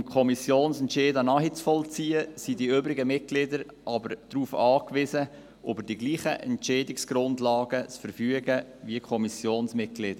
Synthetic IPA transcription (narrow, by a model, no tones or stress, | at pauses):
mkʰɔmisjoːnsɛntt͡ʃeːdənɑːɦit͡sfɔlt͡siːəsidiøbɾɪɡəmɪt̚ɡlɪdəɾ | ʔɑbəɾd̥ɾuːfɑːkʋɪzə | ʔøbəɾdiɡliːχəʔɛ̰ntt͡ʃɛːdɪksɡ̥ɾʊndlɑːɡət͡sfəɾfyəɡəviəkʰɔmisjoːnsmɪt̚ɡ̥lɪːd̥ə